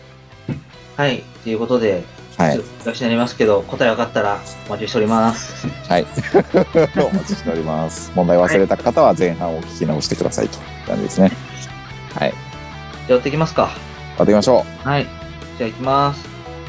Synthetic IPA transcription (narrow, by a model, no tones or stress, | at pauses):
hait̪ːejɯ̟ko̞t̪o̞d̪e̞ | haikakɕinaɾʲimasɨ̥ke̞d̪o̞ko̞t̪aeakat̪ːaɾaomat͡ɕioɕit̪eɾʲimasɨ̥hai | omat͡ɕi̥ɕi̥t̪e̞o̞ɾʲimasɨ̥mond̪aioasɨɾe̞t̪akat̪aβazẽ̞ɰ̃ɦãɰ̃okʲi̥kʲinaoɕi̥t̪e̞kɯ̟d̪a̰sa̰ḭt̪o̥ | kã̰ɲd͡ʑid̪esɨne | ha̰i | d͡ʑaβat̪eikʲimasɨ̥ka | a̰t̪ːekʲimaɕo̞ːhai | d͡ʑaikʲimasɨ̥